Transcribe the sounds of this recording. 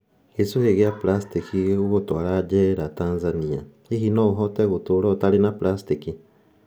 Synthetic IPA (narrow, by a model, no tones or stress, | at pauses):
ɣesuheɣeaplast̪ikiɣuɣotwaɾad͡ʒɛɾataːnzania̰ | iɦinɔuɦɔtɛɣotoɾɔtaɾenaplast̪iki